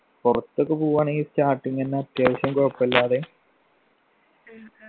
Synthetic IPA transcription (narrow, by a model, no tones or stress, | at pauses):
purɐt̪ːokːɨpuːʋaːɳeistaːʈːiŋːenːɐɐt̪jaːʋɐɕjɐmkoːpːɐlːaːðe